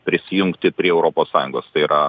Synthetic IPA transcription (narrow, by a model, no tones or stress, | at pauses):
pʲɾʲɪsʲɪjʊŋkt̪ʲɪpʲɾʲiɛɛʊɾoːpoːssɑːjʊŋɡoːst̪ɐɪiːɾɐ